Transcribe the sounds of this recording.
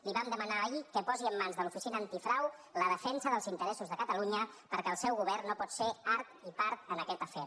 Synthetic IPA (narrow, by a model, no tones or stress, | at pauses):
liβamd̪əmənaːikəpɔziəmːanzðəlufisinəːnt̪ifɾawləðəfɛnsəðəlˠzint̪əɾɛsuzðəkət̪əluɲəpəɾkɛəlˠsɛwɣuβ̞ɛrnːopɔt̪seaɾt̪ipaɾt̪ənəkɛt̪əfɛ